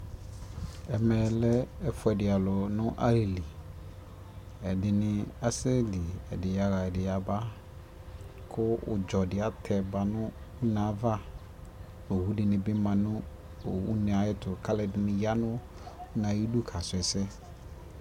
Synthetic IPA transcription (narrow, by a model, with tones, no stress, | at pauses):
ɛ˨mɛ̃˨lɛ˦ɛ˦fʊ˨˦ɛ˨dɪ˨a˨lɔ˨nʊ̃˦ʔa̰˦li˨li˨ | ɛ˨dɪ˨nɪ̃˨a˦sɛ˦li˨ɛ̰˨dɪ˨ja˦ɣa˨ɛ˨dɪ˨ja˨ba˦ | kʰʊ˦ʊ̰˨d͡ʒɔ˨dɪ˨a˦tʰɛ˨ba˨nʊ̃˦ʊ˦nã˨˦va˦ | o˨hu˦dɪ˨nɪ̃˨bɪ˦mã˨nʊ̃˦ | o˨u˦nɪ̃˨a˨jɪ˦tʊ˨kʰa˦lɛ˨dɪ˨nɪ̃˨ja˦nʊ̃˦ | ʊ˦nã˨ji˦du˦kʰa˨sʊ˨ɛ˨sɛ˦